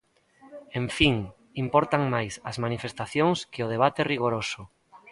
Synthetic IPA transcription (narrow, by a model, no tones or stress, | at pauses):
ẽɱfiŋ | impɔɾt̪aŋmajsɐzmanifest̪aθjoŋskɪʊð̞eβ̞at̪ɪriɣ̞oɾosʊ